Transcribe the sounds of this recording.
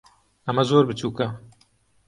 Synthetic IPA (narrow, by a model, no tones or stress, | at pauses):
ɐmɐzoːɾbɨt͡ʃuːkɐ